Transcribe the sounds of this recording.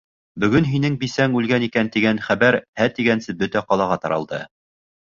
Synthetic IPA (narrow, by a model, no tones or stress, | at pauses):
bɵ̆ɡɵnɦinɘŋbisæŋʉlɡænikænt̪iɡænχæβæɾhæt̪iɡænsɘbɵt̪æqɑlˠɑʁɑt̪ɑɾɑ̰lˠd̪ɤ̰